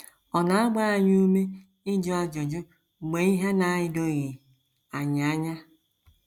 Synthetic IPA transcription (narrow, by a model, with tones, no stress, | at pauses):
ɔ˨na˨a˦ɡ͡ba˦a˨ɲ˦u˦me˦ | ɪ˦d͡ʒʊ˦a˦d͡ʒo˨d͡ʒʊ˦˨ | ɡ͡be˨˦i˦ɦe˦na˨˦˨ɪ˨do˦ɣe˨ | a˨ɲ˨a˦ɲa˦